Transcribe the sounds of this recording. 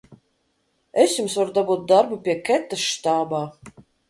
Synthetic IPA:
ɛsʲjumsvaɾd̪abuːt̪̚d̪aɾbupʲiɛkʲɛt̪ːaʃt̪aːbaː

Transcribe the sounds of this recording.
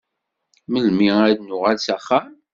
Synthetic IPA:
məlmiæɾnʊʁalsæχːəm

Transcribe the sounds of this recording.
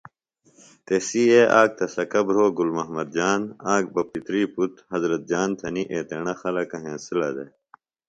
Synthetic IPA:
t̪esiːeʔaːk̚t̪ʰɐsɐkɐbɾoːɡulmɐɦmɐd̪̚d͡ʑaːnãːk̚bɐpit̪ɾiːput̪hɐzɾɐt̪̚d͡ʑaːnt̪ʰɐniʔeːt̪eɳɐxɐlɐkɐɦẽːsilɐ̰d̪e

